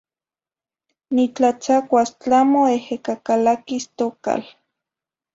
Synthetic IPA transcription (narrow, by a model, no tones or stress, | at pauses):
nit͡ɬat͡sakʷast͡ɬamoehekakalakist̪oka̰l